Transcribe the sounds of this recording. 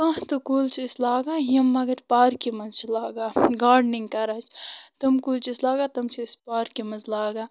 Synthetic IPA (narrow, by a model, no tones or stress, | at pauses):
kɐ̃ɦt̪ɨkuːlt͡ʃʰisʲlaːɡaːɦɐmːɐɡɐɾpaːɾkimɐnzt͡ʃʰilaːɡaːɡaːɾɖniŋɡkɐɾaːt͡ʃʰt̪ɨmkuːlt͡ʃʰislaːɡaːt̪ɐmt͡ʃʰispaːɾkimɐnzlaːɡaː